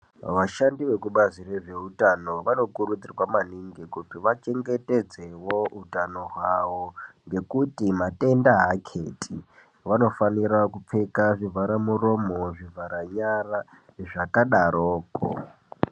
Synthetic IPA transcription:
ʋaʃandiʋe̞kuɓazire̞ʐe̞utano̞ʋano̞kuɾud͡zirwamaniŋɡikutiʋat͡ʃe̞ŋɡe̞te̞d͡zewo̞utano̞ɦwaʋoŋɡe̞kutimate̞ndaɦakʰetʰi | ʋano̞faniɾakup͡fe̞kaʐivʱaɾamuro̞moʐivʱaɾaɲara | ʐakaɗaɾʔoːko̰

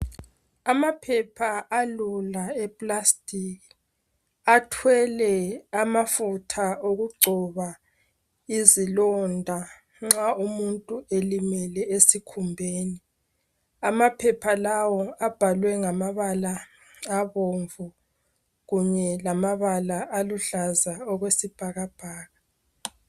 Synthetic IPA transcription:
amapʰɛpʰaʔalulaɛpʼlastʼik | atʰwɛlɛamafutʰaoɣuǀʱɔβa | izilɔndʱa | ŋ͡ǁaumuntʼuelimɛlɛesikʰumbʱeːni | amapʰɛpʰalawɔab̥ʱalwɛŋamaβala | aβoɱvu | ɣuɲɛlamaβalaʔaluɬazaɔɣwesib̥ʱaɣab̥ʱaːɣa

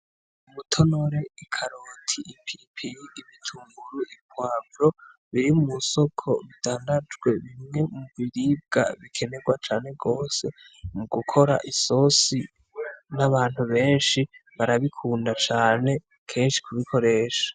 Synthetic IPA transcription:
umutʰo̞no̞ɾe̞ikʰaɾoːtʰiʔːpʰipʰijiːβitʰuːmbuɾuʔipwaːbɾo̞ | βiɾimumuso̞kʰo̞βitʰaːndad͡ʒɡwe̞βimŋe̞muβiɾib̚ɡa̰βikʰe̞ne̞ɡwat͡ʃaːne̞ɡo̞ːse̞ | muɡukʰo̞ɾa̰ʔiso̞si | naβaːn̥huβe̞ːnʃiβaɾaβikʰuːndat͡ʃaːne̞ | kʰe̞ːnʃi̥kʰuβikʰo̞ɾe̞ːʃḁ

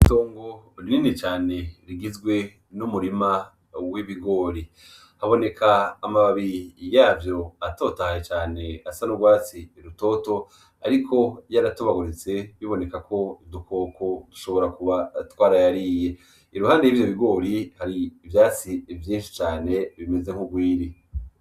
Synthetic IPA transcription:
ito̞ːŋɡoɾininit͡ʃaːne̞ɾiɡizɡwe̞ | numuɾima | wiβiɡo̞ːɾi | haβo̞ne̞kʰaːmaβaβijaːvjo̞ato̞tahjet͡ʃaːne̞asanubɡwaːt͡siːɾuto̞ːto̞ | a̰ɾikʰo̞jaɾatuβaɡuɾit͡se̞βiβo̞ne̞kakʰo̞idukʰokʰo̞du̥ʃo̞βo̞ɾakuβatwaːɾajaɾiːje̞ | iɾuhaːndejivjoβiɡo̞ːɾihaɾiːvjaːt͡sivjĩːnʃi̥t͡ʃaːne̞βime̞ze̞ŋ̥uɡwiːɾi

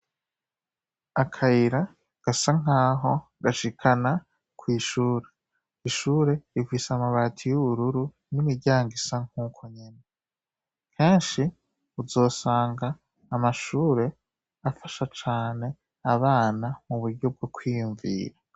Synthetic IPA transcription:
akʰajiɾa | ɡ̥asaŋ̥aːɦo̞ɡaʃikʰana | kwiːʃuːɾe̞ | iʃuːɾe̞ivisamaβatʰijuβuɾuɾu | nimiɾɟaːŋɡisaŋ̥huːkʰo̞ɲene | kʰe̞ːnʃi | uzo̞ːsaːŋɡaː | maʃuːɾe̞ | afaʃat͡ʃaːne̞ | aβaːnamuβuɾɟo̞b̚ɡo̞kwiːjuɱvḭːɾa

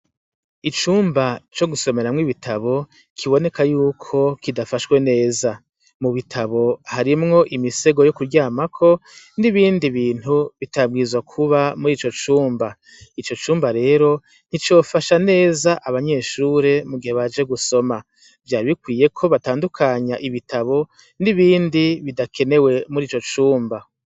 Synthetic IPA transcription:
it͡ʃuːmbat͡ʃo̞ɡuso̞me̞ɾamŋiβitʰaβo̞ | kʰiβo̞ne̞kʰajuːkʰo̞kidafaʃkwe̞ne̞ːza | muβitʰaβo̞haɾimŋo̞ʔimise̞ɡo̞jo̞kuɾɟaːmakʰo̞ | niβiːndiβiːn̥huβitab̚ɡiːzwakʰuβamuɾiːt͡ʃo̞t͡ʃuːmba | it͡ʃo̞t͡ʃuːmbaɾe̞ːɾo̞ | n̥it͡ʃo̞ːfaʃane̞ːzaʔaβaɲe̞ːʃuːɾe̞muɡihoβad͡ʒe̞ɡuso̞ma | vjaːɾβikwiːje̞kʰo̞βataːndukʰaɲaʔiβitʰaβo̞ | niβiːndiβidakʰe̞ne̞we̞muɾiːt͡ʃo̞t͡ʃuːmba

